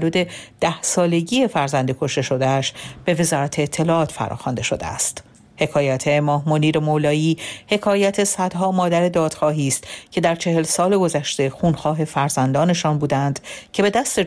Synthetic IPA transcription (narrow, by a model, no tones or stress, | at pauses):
luːd̪e̞d̪̥æhsɒːle̞ɟiːe̞fæɾzænd̪ekʰoʃt̪e̞ʃo̞d̪eæʃb̥e̞ve̞zɒːɾæt̪ʰeːt̪ʰːe̞lɒːʔɒːt̪fæ̰ɾɒ̰ːxɒnd̪e̞ʃo̞d̪ḛæ̰st̪ | he̞kʰɒːjæt̪ʰemɒːhmoniːɾemolɒːiːhe̞kʰɒːjæt̪ʰe̞sæd̪̥ɦɒːmɒːd̪æɾe̞d̪ɒːd̪̥xɒːɦiːst̪cʰe̞d̪æɾt͡ʃʰe̞he̞lsɒːle̞ɡo̞zæʃt̪e̞xuːnxɒːɦe̞fæɾzænd̪ɒːne̞ʃɒːnbuːd̪ænd̪̥cʰe̞be̞d̪æst̪e